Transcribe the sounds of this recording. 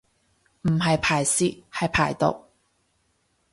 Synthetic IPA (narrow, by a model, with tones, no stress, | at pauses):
m̩˨˩ɦɐ˨jpʰaː˨˩jsiː˧˥hɐ˨jpʰaː˨˩jt̪o̰˨˩w̚